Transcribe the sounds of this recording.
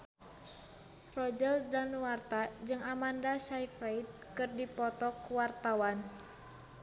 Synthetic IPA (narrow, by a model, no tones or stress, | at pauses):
rɔd͡ʒəldanuwart̪ad͡ʒɨŋamandasaifɾajt̪̚kɨrdipɔt̪ɔkuwart̪awan